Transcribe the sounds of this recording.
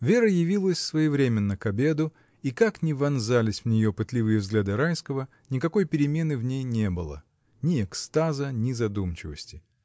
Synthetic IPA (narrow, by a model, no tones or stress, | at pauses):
vʲe̞ɾəjɪvʲilˠəsʲsvɐjɪvɾʲemʲɪnːəkɐbʲe̞d̪ʊ | ikaknʲɪvɐnzalʲɪsʲvnʲɪjopɨt̪lʲɪvɨjəvzɡlʲad̪ɨɾajskəvə | nʲɪkɐko̞jpʲɪɾʲɪmʲe̞nɨvnʲejnʲe̞bɨlˠə̰ | nʲɪɛkst̪azənʲɪzɐd̪umt͡ɕɪvəsʲtʲɪ̥